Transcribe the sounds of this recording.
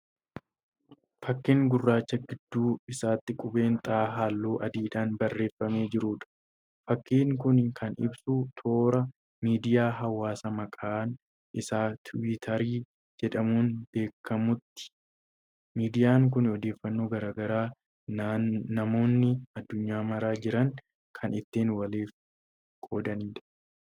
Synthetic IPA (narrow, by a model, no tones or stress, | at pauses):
fɐkːeːŋɡʊrːaːt͡ʃːɐɡɪd̪ːuːɪsaːt̪ːɪkʼʊbe̞ːnt̪ʼaːɦaːlːoːʔɐd̪iːᶑaːnbɐrːe̞ːfːɐme̞ːd͡ʒɪɾuːᶑɐ̥ | fɐkːiːŋkʊnkʰɐnɪ̰bsut̪ʰo̞ːɾɐ | miːd̪ɪjaːɦɐwːaːsɐmɐkʼaːn | ʔɪsaːt̪ʰʊwɪt̪ʰɐɾiː | d͡ʒɛᶑɐmuːnb̥e̞ːkːɐmʊt̪ːɪ̥ | miːd̪ɪjaːŋk̬ʊnɔd̪e̞ːfːɐnːo̞ːɡɐɾaːɡɐɾaː | ɐmo̞ːnːɪɐd̪ːʊɲːaːmɐɾaːd͡ʒɪɾɐŋ | kʰɐnɪt̪ːeːnwɐleːf | kʼoːd̪ɐniːᶑɐ̥